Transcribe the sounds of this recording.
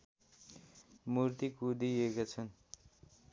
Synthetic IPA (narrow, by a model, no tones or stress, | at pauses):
murt̪ikud̪iekat͡sʰʌn